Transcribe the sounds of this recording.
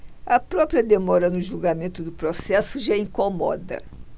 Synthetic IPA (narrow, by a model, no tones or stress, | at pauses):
ɐpɾɔpɾiɐd̪emɔɾɐnʊʒulɡamẽnt̪ʊd̪ʊpɾosɛsʊʒaĩŋkomɔ̰d̪ɐ̰